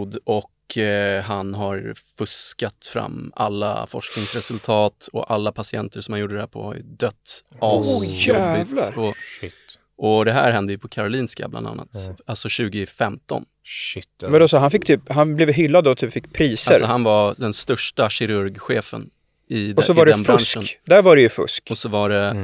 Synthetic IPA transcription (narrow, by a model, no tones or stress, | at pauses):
d̪ɔkɦanɦaɾfɵskat̪fɾa̰mːa̰lːa̰fɔ̰ʂknɪŋsɾɛsɵlt̪ʰɑːt̪ɔ̰ʔalːapʰasɪɛnt̪əʂɔmanjuːɖːəd̪ɛhæːpʰɔ̰ha̰ɾjɵ̰d̪œt̪ːʔɑæɪvlɔ | ʔɔd̪ɛɦæ̰ːɾɦɛnd̪əjɵpʰɔkʰaɾʊliːnska̰bla̰nd̪a̰nːa̰t̪alsɔɕʉ̟ːɡɪfɛmt̪ɔ̰n | vd̪ɔsɔɦanfɪkːt̪ʰyːpɦanblɛvɦʏlːad̪ɔt̪ʰyːpfɪkːpʰɾiːsaləɾsɔɦanvad̪ɛnst̪œʂʈaɕɪɾɵɾɡɧeːfə̰n | ɪd̪ɔsɔvaɖɛɛnbfɾaʂənd̪æɾvaɾɛjɵfɵ̰skɔsɔvaɖɛ